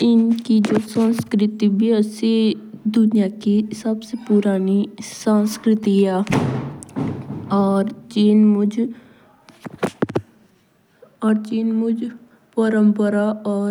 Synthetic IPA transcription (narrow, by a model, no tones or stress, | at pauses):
ɪnkid͡ʒoːsə̃nskɾɪt̪ibiəsed̪ʊnijaːkisəbsepʊɾaːnisãnskɾɪt̪iɛː | ɔːɾt͡ʃiːnmʊd͡ʒ | ɔːɾt͡ʃiːnmʊd͡ʒ | pəɾəmpəɾaɔː